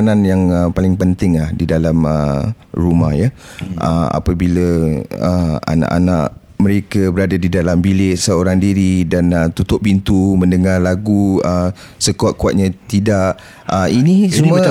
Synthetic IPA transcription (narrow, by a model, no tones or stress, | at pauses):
nanjaŋəpalɪŋpənt̪ɪŋlahdidalamə̰ | ruma̰hjaʔə̰ma̰pəbiləəa̰nã̰ʔanã̰ʔ | məɾekəbəɾadadidalambilɪʔsəoɾaŋdiɾidanət̪ut̪ʊʔ̚pint̪umə̃ndəŋarlaɡuə | səkuaʔ̪̚kuat̪̚ɲãt̪idaʔ | əinisumə